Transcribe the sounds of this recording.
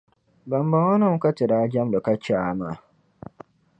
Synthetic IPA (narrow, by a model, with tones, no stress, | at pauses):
ba˨m˦ba˨wa˦nã˦m̩˦ka˦tɪ˨da˨˦d͡ʒa˦mdɔ˨ka˦t͡ʃa˨ma˨